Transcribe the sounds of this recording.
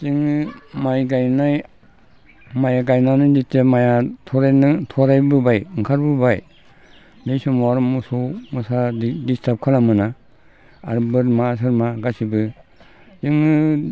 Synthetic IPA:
ziŋɯmajɡajnaj | majaɡajnanɯditemajatʰɔɾajnɯtʰɔɾajbɯbajɯŋkʰaɾbɯbaj | nejsumaɾmusomusadistʰap̚kʰalamɯna | a̰ɾbɯɾmas̬ɯɾmaɡasibɯ | zɯŋɯ

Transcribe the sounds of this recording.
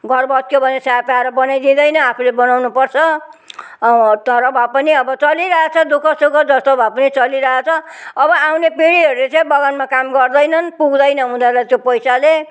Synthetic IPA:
ɡʱʌrbʱʌt̪̚kjobʱʌnesapaaɾʌbʌnajd̪ĩd̪ʌjnʌapʰulebʌnawnupʌrt͡sʰʌ | t̪ʌɾʌbʱapʌniʌbʌt͡sʌliɾʌɦat͡sʰʌd̪okʰʌsokod͡zʌst̪obʱapʌnit͡sʌliɾʌɦat͡sʰʌːbʌawnepiɽiɦʌɾulet͡sãĩbʌɡʌnmakamɡʌrd̪ʌjnʌnpuɡd̪ʌjnʌɦũd̪alat̪jopʌjsale

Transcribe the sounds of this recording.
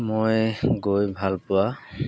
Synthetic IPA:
mojɡojbʱalpʊwa

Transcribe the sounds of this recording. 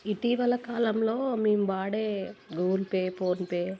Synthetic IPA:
iʈiːʋɐlɐkaːlɐmloːmiːmʋaːɽeːɡuːlpeːpoːnpeː

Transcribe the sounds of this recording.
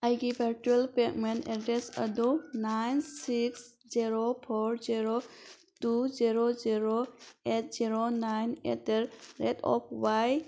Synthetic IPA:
ajɡibʱəɾʈuelpek̚mentedɾesɐ̰d̪ɔnajnsiks | ziɾopʰɔɾziɾo | tuziɾoziɾoet̚ziɾonajnḛteɾɾetʰɔ̰pʰwaj

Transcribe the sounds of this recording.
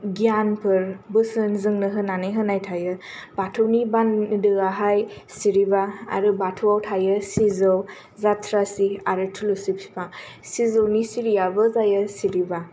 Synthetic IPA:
ɡijanpʰɯɾbɯsɯnzɯŋnɯɦɯnanɯjɦɯnajtʰajɯbatʰɯwnibandɯaɦajsiɾibaa̰ɾɯbatʰuwawtʰajɯsizɯw | zatʰɾasiaɾɯtʰulusipsi̥pʰaŋ | sizɯwnisiɾijabɯzajəsiɾiba

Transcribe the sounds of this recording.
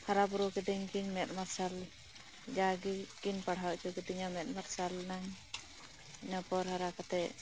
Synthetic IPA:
haɾabuɾukɛd̪iɲkiɲmɛt̪̚maɾsal | d͡ʒaɡikinpaɽ̤awt͡ʃɔkɛd̪iɲamɛt̪̚maɾsalnaɲ | inɔpɔɾhaɾakat̪ɛ

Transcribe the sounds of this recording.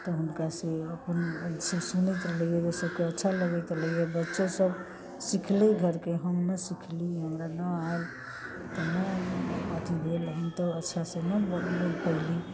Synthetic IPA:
t̪ɔɦunkaseəpənsesunɛt̪ɾəljed͡ʒesəbkeətːʃʰaləɡɛt̪ɾələjebətːʃesəb | sikʰleɡʱəɾkeɦəmnəsikʰliɦəmɾanəal | t̪ənəət̪ibʱeləɦint̪ɔətːʃʰasẽnəbpəɦli

